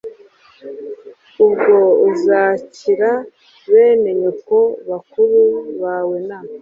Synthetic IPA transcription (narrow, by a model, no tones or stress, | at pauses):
ubɡo̞uzaːciɾa | βe̞ːme̞ɲeko̞βakuɾuβaːwe̞na